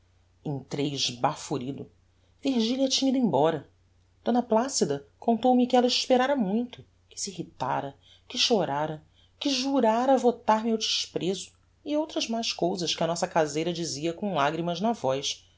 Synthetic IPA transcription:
ẽj̃t̪ɾejʒbafuɾid̪ʊ | viɾʒiliɐt͡ʃĩɲid̪ʊẽbɔɾɐ | d̪̥õnɐplasid̪ɐkõnt̪owmɪkɪɛlɐɪʃpeɾaɾɐmũj̃t̪ʊ | kɪ̥siihit̪a̰ɾɐ | kɪʃoɾaɾɐ | kɪʒuɾaɾɐvot̪aɾmɪawd͡ʒiʃpɾezʊ | iowt̪ɾɐzmajʃkowzɐʃkɪɐnɔsɐkazejɾɐd͡ʒiziɐkõlaɡɾimɐʒnɐvɔjʃ

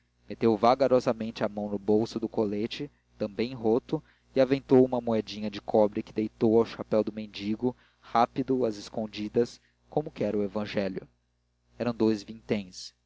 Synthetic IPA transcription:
met̪ewvaɡaɾɔzɐmẽnt͡ʃɪamɐ̃w̃nʊbowsʊd̪ʊkolet͡ʃɪ | t̪ɐ̃mbẽj̃ɦot̪ʊ | iavẽnt̪owumɐmuɛd͡ʒĩɲɐd͡ʒɪkʰɔbɾɪkɪd̪ejt̪owawʃapɛwd̪ʊmẽnd͡ʒiɡʊ | hapid̪ʊɐzɪskõnd͡ʒid̪ɐs | kõmʊkɪɛɾʊevɐ̃ʒɛljʊ̰ | ɛɾɐ̃w̃d̪ojzvĩnt̪ẽj̃s

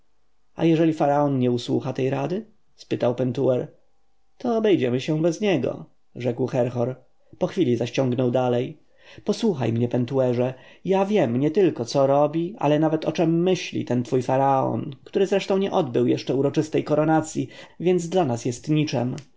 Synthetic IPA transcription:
a̰jɛʐɛlʲifaɾaɔnɲɛuswṵxat̪ɛjɾad̪ɘ | spɘt̪awpɛnt̪uɛɾ | t̪ɔːbɛjd͡ʑɛmɘɕɛ̃bɛzɲɛɡɔ̰ | ʐɛkwxɛɾxɔɾ | pɔxfʲilʲizaɕt͡ɕɔ̃ŋɡnɔwd̪alɛj | pɔswuxa̰jmɲɛpɛnt̪uɛʐɛjavʲjɛmɲɛt̪ɘlkɔt̪sɔɾɔbʲia̰lɛnavɛt̪ɔt͡ʂɛmːɘɕlʲḭt̪ɛnt̪fujfaɾaɔ̰nkt̪uɾɘzɾɛʂt̪ɔ̃w̃ɲɛʔɔd̪bɘwjɛʂt͡ʂɛuɾɔt͡ʂɘst̪ɛjkɔɾɔnat̪sʲjivʲjɛnd̪zd̪lanasjɛst̪ɲit͡ʂɛ̰m

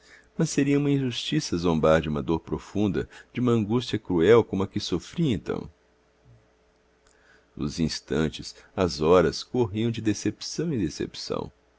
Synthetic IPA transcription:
mɐseɾiɐũmɐĩʒust͡ʃisɐzõmbaɾd͡ʒɪũmɐd̪oɾpɾofũnd̪ɐd͡ʒũmɐɐ̃ŋɡust͡ʃiɐkɾuɛwkõmʊɐkɪsofɾiɐẽnt̪ɐ̰̃w̃ | ʊ̰zĩst̪ɐ̰̃nt͡ʃɪsɐzɔɾɐskoɦiɐ̃w̃d͡ʒɪd̪esepi̥sɐ̃w̃ĩd̪esḛpi̥sɐ̰̃w̃

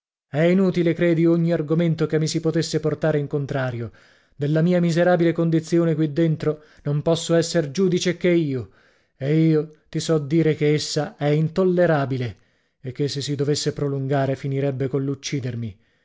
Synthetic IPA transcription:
ɛinuːt̪ilekɾeːd̪ioɲːiarɡoment̪okemːisipot̪esːeport̪aːɾeiŋkont̪ɾaːɾjo | d̪elːamiːamizeɾaːbilekond̪it̪sjoːnekwid̪ːent̪ɾo | nompɔsːoɛsːerd͡ʒuːd̪it͡ʃekeiːo | eiːot̪isɔd̪ːiːɾekeesːaɛint̪olːeɾaːbile | ekːesːesːid̪ovesːepɾoluŋɡaːɾefiniɾɛbːekonlːut͡ʃːiːd̪ermi

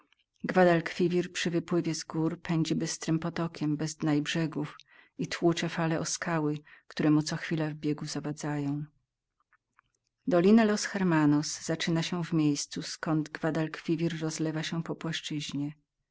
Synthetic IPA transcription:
ɡvad̪alkfʲivʲiɾpʂɘvɘpwɘvʲjɛzɡuɾpɛɲd͡ʑɛbɘst̪ɾɘmpɔt̪ɔkʲɛmbɛzd̪najbʐɛɡufit̪wut͡ʂɛfalɛʔɔskawɘkt̪uɾɛmut̪sɔxfʲilavbʲjɛɡuzavad̪zajɔ̃w̃ | d̪ɔlʲinalɔsxɛɾmanɔsz̥at͡ʂɘnaɕɛvmʲjejst̪suskɔnd̪ɡvad̪alkfʲivʲiɾːɔzlɛvaɕɛpɔpwaʂt͡ʂɘʑɲɛ

